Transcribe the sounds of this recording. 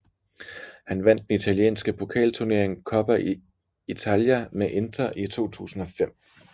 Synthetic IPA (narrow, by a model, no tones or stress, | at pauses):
hænʋæn̰d̥ːenit͡sʰæljḛːnsɡ̥əpʰo̝kʰɛ̰ːlt͡sʰuɐne̝ɐ̰eŋkʰɒ̽b̥æʔi | it͡sʰæljæmeʔe̝nd̥ʰɐʔit͡sʰo̝̰ːt͡sʰṵːsn̩ɒ̽fem̰